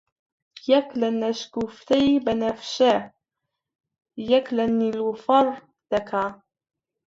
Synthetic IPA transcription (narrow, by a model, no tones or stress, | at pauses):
jaklanːaʃkuft̪ajbanafʃa | jaklanːilfɑɾˤ | d̪̥aka